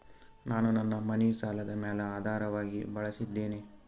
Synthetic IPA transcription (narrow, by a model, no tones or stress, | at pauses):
naːnunɐnːɐmɐnisaːlɐd̪ɐmɛːlɐaːd̪ʱaːɾɐʋaːɡibɐɭɐsid̪ːeːni